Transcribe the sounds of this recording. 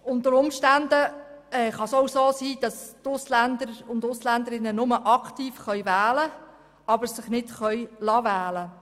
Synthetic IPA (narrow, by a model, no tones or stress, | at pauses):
ʊntəɾʊmʃtændə | ɛːχɑsowsoːsiːd̥ɑstʊslændəɾʊndʊslændəɾɪnːənʊməʔɑktiːfχœʏvæːlə | ɑbəɾsɪχnɪtχœʏlɑvæːlə